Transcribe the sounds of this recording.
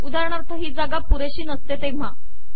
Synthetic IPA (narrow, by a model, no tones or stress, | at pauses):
ud̪aɾɳ̃aɾt̪ʰəɦiːd͡zaɡapuɾeɕiːnəst̪et̪em̤a